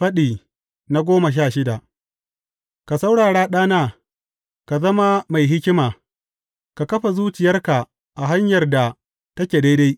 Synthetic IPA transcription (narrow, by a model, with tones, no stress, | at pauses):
ɸɐ˦ɗiː˨ | na˦ɡʷoː˦mɐ˨ʃ̬aː˦˨ʃɪ˦da˨ʔ | ka˨sa˦wɽaː˨ɽaː˦ɗaː˦naː˦ | ka˨zɐ˦ma˦ma˨jɦɪ˦kʲɪ˦maː˨ | ka˨kɐ˦ɸa˨zuː˦t͡ʃɪ˨jɐ˦rka˨ | ʔa˨ɦa˦ɲjɐ˨rda˨ | tɐ˦kʲeː˨da˦jda˦j